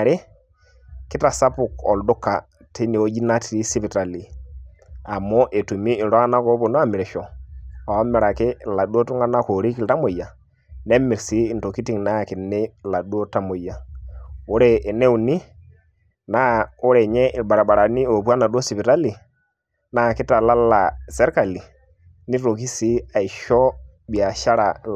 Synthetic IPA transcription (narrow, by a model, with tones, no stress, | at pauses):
ɾe˦ | ki˦ta˨sa˦pu˨kɔ̰˨ldu˦kːa˨ | ti˦ni˨o˦d͡ʒi˦na˦ti˨ɾi˦si˦pi˨ta˨li˨ | a˨mɔ˦ʔe˨tu˨miː˦˨ɾɔ˦a˦na˦ko˦bo˨nɔ˦a˦mi˨ɾɛ˨ʃɔ˨a˨˦mi˨ɾa˨ke˦la˨ɗu˦o˦tu˦ŋɡa˦na˦ko˨ɾi˦ki˨lta˦mo˨ja˨ | nɛ˦mi˨ɾsiː˦˨nto˨ki˦ti˦ŋna˦˨ki˨nɛ˦la˨ɗu˦o˦ta˦mo˨ja˨ | o˦ɾeː˦˨nɛ˦u˨ni˦ | na˦o˦ɾɛ˨ɲɛ˦ʔi˨ɓa˨ɾa˨ɓa˨ɾa˨ni˦o˨pwa˦na˨ɗu˦o˦si˨pi˨ɾa˦li˨ | na˦˨kɪ˦ta˨la˦la˨sɛ˦ɾka˨li˨ | ni˦ɾo˨ki˦si˦a˨i˨ʃɔ˦ | ɓi˨a˨ʃa˦ɾa˨